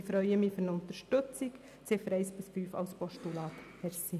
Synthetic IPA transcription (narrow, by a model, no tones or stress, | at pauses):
fɾœʏəmifʏɾnʊnt̪əɾʃtɵt͡sik | t͡sɪfəɾɛɪsb̥ɪsfyːfɑ̰wspɔʃtulɑːt̪hɛɾsi